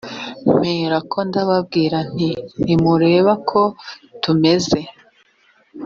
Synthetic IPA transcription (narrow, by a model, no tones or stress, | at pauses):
m̥eːɾakʰo̞ndaβab̚ɡiːɾan̥iimuɾe̞ːβakʰo̞tume̞ze̞